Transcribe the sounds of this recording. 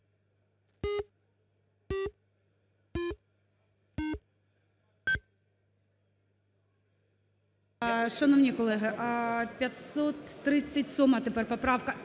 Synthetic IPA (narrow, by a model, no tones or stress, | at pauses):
ʃɐnɔwnʲikɔlˠɛɦɪpʲjɐt̪ʲsɔt̪ːɾɪt͡sʲːɐtʲsɔmɐt̪epɛrpɔpɾɑwkɐ